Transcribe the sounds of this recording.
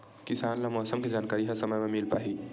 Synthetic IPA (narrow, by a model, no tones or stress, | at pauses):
kɪsaːnlamɔːsəmked͡ʒaːnkaːɾiɦəsəməjmẽmilpa̰ːɦi